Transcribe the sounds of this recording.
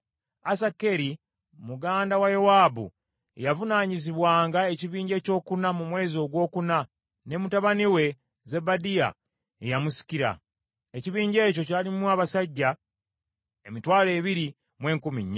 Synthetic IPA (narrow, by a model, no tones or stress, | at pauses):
asakeɾi | muɡaːndawajowaːbṵ | javunaːɲiziβwaːŋɡae̞ciβiːɲɟe̞ːco̞ːkunamumwe̞ːzo̞ɡwo̞ːkuna | ne̞mutaβaniwe̞ | ze̞badija̰ | ḛjamusi̥kiɾa̰ | eciβiːɲɟe̞ːco̞caːlimwaβasaɟːa | emitwaːle̞ːβiɾi | mwe̞ːŋkumiɲːa